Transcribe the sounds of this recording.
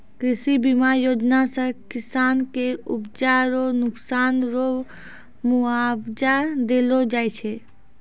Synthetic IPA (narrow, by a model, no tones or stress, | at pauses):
kɾisibimaɾjod͡ʒnasə̃kisaːnkeupd͡ʒaɾonʊksanɾo | muabd͡ʒad̪elod͡ʒaːjt͡ʃʰɛ